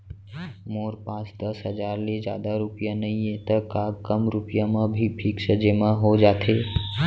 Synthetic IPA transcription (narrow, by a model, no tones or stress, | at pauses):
moɾpãːt͡ʃd̪əsɦəd͡ʒaːɾled͡ʒja̰ːd̪aɾupijanəĩẽt̪əkaːɡkəmɾʊpijamə̃bʱipʰiksəd͡ʒemãɦod͡ʒaːt̪ʰe